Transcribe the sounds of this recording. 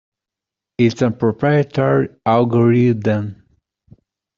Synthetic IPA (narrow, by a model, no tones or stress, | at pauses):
itsə̃npɹɔpʰɹajət̪ʰɔɹialɡɔɹid̪ə̃n